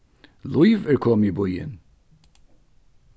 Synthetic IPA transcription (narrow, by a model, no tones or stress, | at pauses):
lujvəɹkʰɔːmjəbʊjə̰n